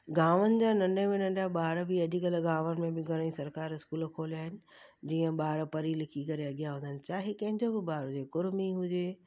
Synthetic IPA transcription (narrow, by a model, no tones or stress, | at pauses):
ɡaːʋənɪ̆d͡ʑãːnɐ̃ɳɖemẽnɐ̃ɳɖaɓaːɾbɪɐdʱikəlɡaːʋənɪ̆mẽbɪɡʱɐɽ̃ĩsɐɾkaːɾɪskuːlkʰoːliaːɦɪnɪ̆d͡ʑiːə̃ɓaːɾpɐɾilɪkʰikɐɾeɐɠijaɦʊ̃ːnd̪ənɪ̆t͡ɕaːɦikɐ̃ɦɪ̃ɲd͡ʑobɪbaːɾʊd͡ʑeːkʊɾmiɦʊd͡ʑeː